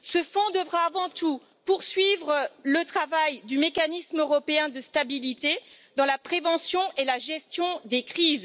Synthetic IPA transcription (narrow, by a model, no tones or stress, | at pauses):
səfɔ̃d̪əvʁaːvɑ̃t̪u | puʁsɥivʁələt̪χavajd̪ymekanismøʁɔpeɛ̃d̪əst̪abilit̪e | d̪ɑ̃lapχevɑ̃sjɔ̃ʔelaʒɛst̪jɔ̃d̪ekχiːz